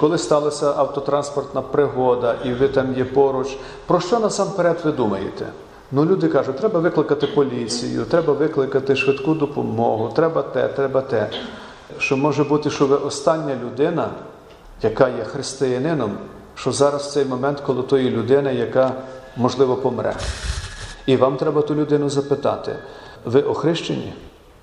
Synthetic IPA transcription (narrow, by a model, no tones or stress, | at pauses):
kɔlˠɪst̪ɑlˠɐsʲɐʔɐwt̪ɔt̪ɾɑnspɔrt̪nɐpɾɪɦɔd̪ɐʔiʋɪt̪ɑmjɛpɔɾʊt͡ʃʲ | pɾɔʃt͡ʃɔnɐsɑmpeɾɛt̪ʋɪd̪umɐjḛt̪ɛ̰ | nʊlʲud̪ɪkɑʒʊt̚ʲt̪ɾɛbɐʋɪklˠɪkɐt̪ɪpɔlʲit͡sʲḭjʊ̰t̪ɾɛbɐʋɪklˠɪkɐt̪ɪʃʋɪd̪kud̪ɔpɔmɔɦʊt̪ɾɛbɐt̪ɛ̰t̪ɾɛbɐt̪ɛ | ʃt͡ʃɔmɔʒɛbut̪ɪʃt͡ʃɔʋɪʔɔst̪ɑnʲːɐlʲʊd̪ɪnɐ | jɐkɑjɛxɾɪst̪ɪjɐnɪnɔm | ʃt͡ʃɔzɑɾɐst̪sɛjmɔmɛnt̪kɔlˠɪt̪ɔjilʲʊd̪ɪnɐjɐkɑmɔʒlˠɪʋɔpɔmɾʔɛ̰ | iʋɑmt̪ɾɛbɐt̪ulʲʊd̪ɪnʊzɐpɪt̪ɑ̰t̪ɪ̰ | ʋɪʔɔxɾɪʃt͡ʃḛnʲḭ